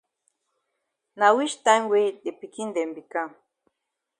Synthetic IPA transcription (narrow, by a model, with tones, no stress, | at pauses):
na˨wi˦ʃt̪a˦ŋwi˦d̪e˨pi˨ki˦nd̪e˨mbi˨ka˦˨